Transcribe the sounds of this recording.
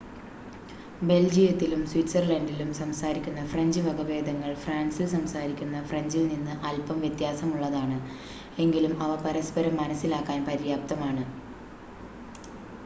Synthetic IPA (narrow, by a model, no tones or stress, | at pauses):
be̞ld͡ʑijɐt̪ːilumswitsɐrlɐndilumsɐmsaːɾikʲːunːɐfreɲd͡ʑɨʋɐɡɐbe̞ːd̪ɐŋːɐɭfraːnsilsɐmsaːɾikʲːunːɐfreɲd͡ʑilninːɨʔɐlpɐmʋjet̪jaːsɐmuɭːɐðaːɳɨ | e̞ŋɡilumɐʋɐpɐɾɐspɐɾɐmːɐnɐsːilaːkːaːnpɐɾijaːp̚t̪ɐmaːɳɨ